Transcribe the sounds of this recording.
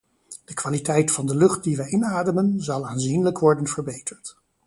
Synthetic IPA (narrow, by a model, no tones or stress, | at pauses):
d̥əkʋaːlitɛjtfɑndəlɵχt̚diʋɛjɪnaːdəmənzɑlˠaːnzinləkʋɔɹdənv̥əɹbejtəɹt